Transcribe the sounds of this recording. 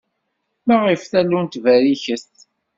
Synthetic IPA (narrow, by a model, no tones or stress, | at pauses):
mæʁifθælːunt̪væɾiçəst̪